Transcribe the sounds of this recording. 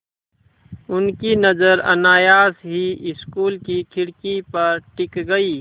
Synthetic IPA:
ʊnkinɐzəɾɐ̰naːjaːsɦiɪskuːlkikʰɪɽkipɐɾʈɪkɡɐiː

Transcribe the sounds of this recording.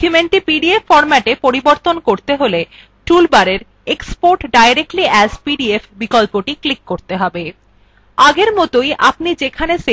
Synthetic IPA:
kumeɳʈipiɖiefːɔɾmɛʈepoɾiboɾt̪onkoɾt̪eɦole | ʈulbaɾeɾ | ekspoɾʈɖajɾek̚ʈliɛzpiɖiefbikolpoʈiklikːoɾt̪eɦɔbe | aɡeɾmɔt̪ojʔap̚nid͡ʑekʰanese

